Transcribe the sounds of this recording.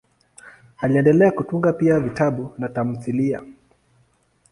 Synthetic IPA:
aliɛndɛlɛakutuŋɡapiavitaɓunatam̩θilia̰

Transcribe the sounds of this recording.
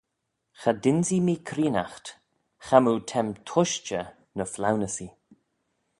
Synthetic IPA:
xadɪnzimiːkʰɾiːnaxt | xamutʰɛmtʰʊʃt͡ʃə | nəflawnəsi

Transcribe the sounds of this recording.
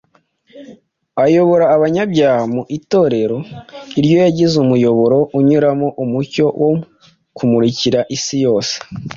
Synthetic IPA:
ajo̞βo̞ɾaːβaɲabɟaːhmuʔito̞ːɾe̞ɾo̞iɾjo̞jaɟizumujo̞βo̞ɾo̞ʔuɲuɾamoʔumuco̞wʔo | kumuɾiciɾaʔisijo̞ːse̥

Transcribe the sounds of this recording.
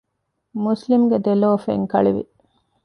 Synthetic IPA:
muslimɡed̪eloːfḛŋkɐ̰ɭiʋḭ

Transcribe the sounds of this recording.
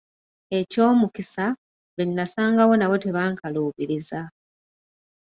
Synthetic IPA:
e̞co̞ːmukisa | βennːasaːŋɡawo̞nawo̞te̞βaːŋkaluːβiɾiza

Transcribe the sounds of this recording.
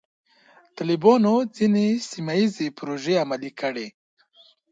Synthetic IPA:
t̪alibɑnod͡zinesimaizepɾoʒeamalikəɽe

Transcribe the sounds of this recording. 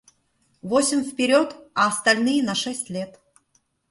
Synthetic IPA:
vosʲɪmʲfpʲɪɾʲot̪ɐːst̪ɐlʲnɨjənɐʂɛsʲtʲlʲet̪

